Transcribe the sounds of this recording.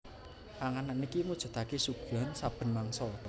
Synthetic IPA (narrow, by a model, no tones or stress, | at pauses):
aŋananikimud̥ʒ̥a̤t̪akesuɡ̥ɔ̤nsab̥ə̤nmaŋsɔ